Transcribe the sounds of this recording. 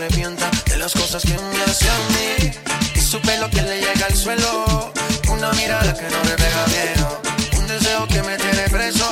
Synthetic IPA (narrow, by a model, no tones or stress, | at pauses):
epje̞nt̪aðḛlasko̞saskeũmmeaseammiisupelo̞ke̞leʝe̞ɣalswe̞lo | unamiɾaðakenoɾeβeɣamjeðound̪e̞se̞oke̞met̪eɾepɾe̞so